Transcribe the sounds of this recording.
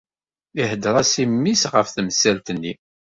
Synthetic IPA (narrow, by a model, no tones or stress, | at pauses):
ihəd̪ɾˤɑsimːisʁəfθməsælt̪ənːi